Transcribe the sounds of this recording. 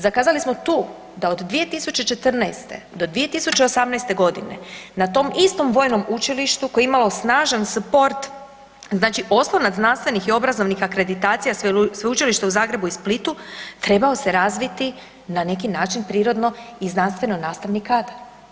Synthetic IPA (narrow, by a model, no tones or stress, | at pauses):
zakaːzalismo̞t̪uː | d̪ao̞d̪d̪ʋije̞t̪isut͡ʃe̞t͡ʃe̞t̪r̩nɛːst̪e̞̰d̪o̞d̪ʋije̞t̪isut͡ɕe̞osamnɛst̪e̞ɡo̞d̪inḛnat̪o̞mist̪o̞mʋo̞ːjno̞mut͡ʃiliʃt̪uko̞jeimalo̞snaːʒanspo̞ɾt̪ | znaːt͡ʃiʔo̞slˠonaznanst̪ʋe̞nixio̞bɾazo̞ʋnixakɾe̞d̪it̪aːt̪sijassʋeut͡ʃiliʃt̪euzaːɡɾe̞buisplit̪ut̪ɾe̞bao̞se̞ɾazʋit̪i | nane̞k̬inaːt͡ʃinpɾiːɾo̞d̪no̞iznanst̪ʋe̞no̞naːst̪aʋnikaːd̪aɾ